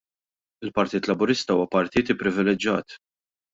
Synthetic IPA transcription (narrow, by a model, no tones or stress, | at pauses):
ɪlpɐɾt̪iːt̪lɐbʊɾɪst̪ɐuːwɐpɐɾt̪iːt̪ɪpːɾɪvɪlɛd͡ʒːɐːt̪